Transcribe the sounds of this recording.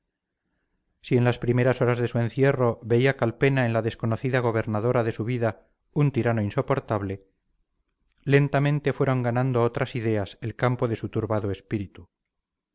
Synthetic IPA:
sie̞nlaspɾime̞ɾaso̞ɾazðe̞sue̞nθje̞ro̞βe̞iakalpe̞naenlaðesko̞no̞θiðaɣ̞o̞β̞e̞ɾnaðo̞ɾaðe̞suβiða | unt̪iɾano̞inso̞po̞ɾt̪aβle̞ | le̞nt̪amẽ̞nt̪e̞fwe̞ɾo̞ŋɡanãnd̪oot̪ɾʔasiðe̞aselkampo̞ðe̞sut̪uɾβaðoespiɾit̪u

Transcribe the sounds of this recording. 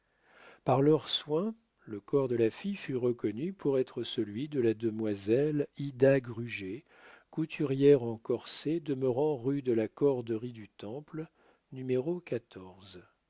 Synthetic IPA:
paʁlœʁswɛ̃ | ləkɔʁd̪əlafijfyʁəkɔnypʰuʁɛt̪χəsəlɥid̪əlad̪əmwazɛlid̪aɡʁyʒe | kut̪ʰyʁjɛʁɑ̃kɔʁsed̪əməʁɑ̃ʁyd̪əlakɔʁd̪əʁid̪yt̪ɑ̃pl | nymeʁokat̪ʰɔʁz

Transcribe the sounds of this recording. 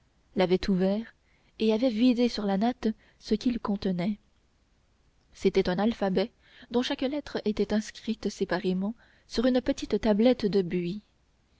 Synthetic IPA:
lavɛt̪ʰuvɛːʁ | eavɛvid̪esyʁlanat̪ | səkʲilkɔ̃t̪ənɛ | set̪ɛt̪ɛ̃nalfabɛ | d̪ɔ̃ʃaklɛt̪χəʔet̪ɛt̪ɛ̃skχit̪sepaʁemɑ̃ | syʁynpət̪it̪t̪ablɛt̪d̪əbɥi

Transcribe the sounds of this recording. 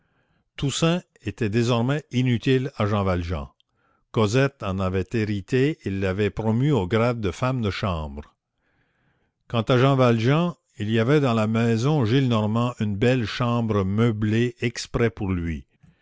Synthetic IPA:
t̪usɛ̃ | et̪ɛd̪ezɔʁmɛinyt̪ilaʒɑ̃valʒɑ̰̃ | kɔzɛt̪ɑ̃navɛt̪eʁit̪eilːavɛpɾɔmyoɡʁad̪̚d̪əfamd̪əʃɑ̃ːbʁ | kɑ̃t̪aʒɑ̃valʒɑ̃ | iliavɛd̪ɑ̃lamɛzɔ̃ʒilnɔʁmɑ̃ʔynbɛlʃɑ̃ːbʁəməbleɛkspʁɛpuʁlɥi

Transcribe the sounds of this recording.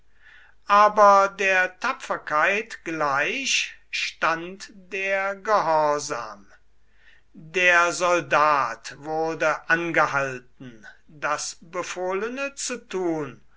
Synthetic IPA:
ʔaːbɐdeːɐtʰapfɐkaɪtɡ̥laɪɕʃtantd̥eːɐɡəhɔɐza̰ːm | deːɐzɔldaːtvʊɐdəʔanɡəhalt̚n̩ | dasbəfoːlənət͡sutuːn

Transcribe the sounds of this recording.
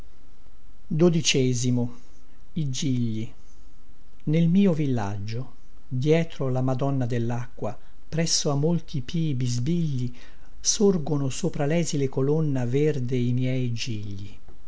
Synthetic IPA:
d̪od̪it͡ʃɛːzimo | id͡ʒiʎːi | nelmiːovilːa̰d͡ʒːo | d̪jɛːt̪ɾolamad̪ɔnːad̪elːakːwa | pɾɛsːoamːolt̪ʰipʰiːbizbiʎːi | sorɡonosoːpɾalɛːzilekolonːaverd̪eimjɛjd͡ʒiʎːi

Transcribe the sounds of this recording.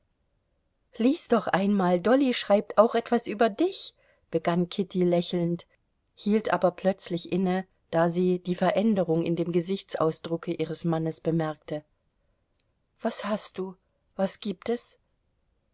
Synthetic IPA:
liːsd̥ɔχʔaɪnmaːldɔliʃʁ̥aɪp̚tʰaʊxʔɛtv̥asʔyːbɐdɪç | b̥əɡankʰɪtilɛçl̩nt | hiːltʔa̰ːbɐpʰl̥œt͡slɪçʔɪnə | d̥aːziːd̥iːfɛɐʔɛndəʁʊŋɪ̰ndeːmɡəzɪçt͡sa̰ʊsd̥ʁʊkʰəʔiːʁəsmanəsb̥əmɛɐk̚tə | v̥ashast̚d̥uː | v̥asɡ̥iːp̚tɛs

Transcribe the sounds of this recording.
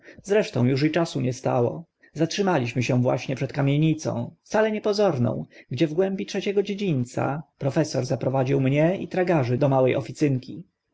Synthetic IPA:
zɾɛʂt̪ɔ̰̃w̃juʂ̬it͡ʂasuɲɛst̪a̰wɔ̰ | zatʂɘmalʲiɕmɘɕɛ̃vwa̰ɕɲɛpʂɛt̪̚kamʲjeɲit̪sɔ̰̃w̃ft̪salɛɲɛpɔzɔɾnɔ̰̃w̃ɡd͡ʑɛvɡwɛmbʲitʂɛt͡ɕɛɡɔd͡ʑed͡ʑiɲt̪sa̰pɾɔfɛsɔɾzapɾɔvad͡ʑiwmɲɛḭt̪ɾaɡaʐɘd̪ɔmawɛjʔɔ̰fʲit̪sɘŋkʲi

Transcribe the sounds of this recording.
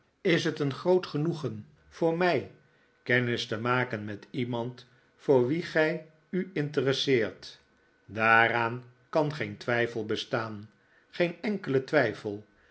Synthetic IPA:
ɪsɦətənχrowtχənuχən | v̥ʊːɹmɛj | kɛnɪstəmaːkənmɛtimɑnt | fʊːɹʋiχɛj | yɪntərəsɪːɹt | daːraːn | kɑnχejntʋɛjfəlˠbəstaːn | χejnɛŋkələtʋɛjfəlˠ

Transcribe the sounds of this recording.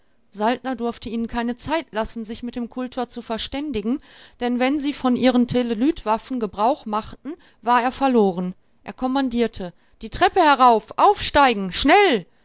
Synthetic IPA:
zalt̚nɐdʊɐftəiːnənkʰaɪnət͡saɪtʰlasn̩zɪçmɪtd̥eːmkʰʊltʰɐt͡sufɛɐʃtɛndɪɡŋ̩d̥ɛnvɛnziːfɔnʔiːʁəntʰeləlyːtv̥afn̩ɡəbʁaʊχmaχtn̩ | vaːɐeːɐfɛɐloːʁ̞ən | ʔeːɐkʰɔmandiːɐtʰə | d̥iːtʁ̥ɛpəhɛɐʁ̞aʊfʔaʊfʃtaɪɡŋ̩ʃnɛl

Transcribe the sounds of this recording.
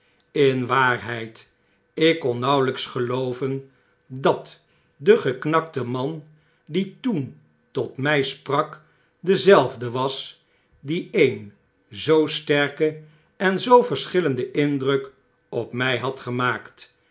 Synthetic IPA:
ɪnʋaːɹɦɛjt | ɪkːɔnˠnɑwləksχəlowvən | dɑt | dəχəknɑktəmɑn | ditun | tɔtmɛjsprɑk | dəzɛlˠvdəʋɑs | diejn | zowstɛɹkə | ɛnzowvəɹsχɪləndəʔɪndrɵk | ɔpmɛjɦɑtχəmaːkt

